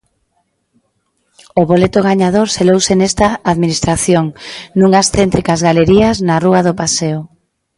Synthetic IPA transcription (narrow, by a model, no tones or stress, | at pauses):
oβolet̪oɣ̞aɲað̞oɾselowsenest̪aːðminist̪ɾaθjoŋnuŋasθent̪ɾikazɣaleɾiɐznaruaðopaseʊ